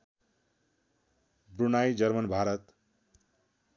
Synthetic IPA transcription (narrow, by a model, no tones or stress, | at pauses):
bɾunajd͡zʌɾmʌnbʱaɾʌt̪